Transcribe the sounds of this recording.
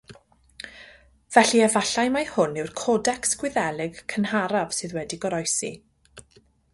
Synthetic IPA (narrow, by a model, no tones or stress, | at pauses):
v̥ɛɬiɛvaɬajmajhʊnɪwrkʰɔdɛksɡ̥wɪðɛlˠɪɡkʰənhaɾav̥sɨðwɛdiɡɔɾɔjsḭ